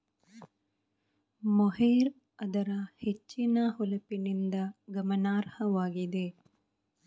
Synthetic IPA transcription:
moɦeːɾ | ɐd̪ɐɾɐhet͡ʃːinɐhulɐpinind̪ɐɡɐmɐnaːɾhɐʋaːɡid̪e

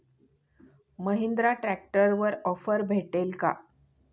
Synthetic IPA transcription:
məɦind̪ɾaʈɾæk̚ʈəɾʋəɾɔfəɾbʱeʈelka̰

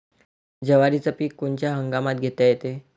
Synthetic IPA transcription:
d͡ʑəʋaɾit͡səpiːkːuɳt͡ɕjaɦəŋɡamat̪̚ɡʱet̪ajet̪e

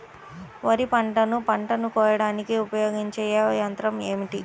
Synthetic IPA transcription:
ʋɐɾipɐɳʈɐnupɐɳʈɐnukɔːjɐɽaːnikiupɐjoːɡiɲt͡ʃɛːjajɐnt̪ɾɐmeːmiʈi

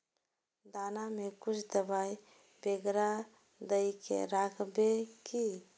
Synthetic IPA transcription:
d̪anamekut͡ʃʰd̪əbaj | beɡɾa | d̪əjkḛɾakʰbeki

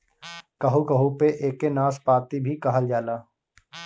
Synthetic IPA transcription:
kɐɦukɐɦupeʔeːkːenaːspaːt̪ibʱikɐɦəld͡ʒaːlaː

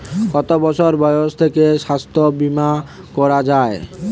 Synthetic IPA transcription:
ɡ̥ɔt̪obɔt͡ɕʰoɾbɔjoʃt̪ʰekeʃast̪ʰobima | kɔɾad͡ʑae

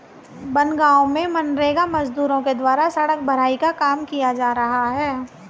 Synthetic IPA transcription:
bɐnɡaːomẽmɐnɾeːɡamɐzd̪uːɾõked̪waːɾasɐɽək̚bʱɐɾ̤aːikakaːmkijad͡ʒaːɾɐɦaɦɛː

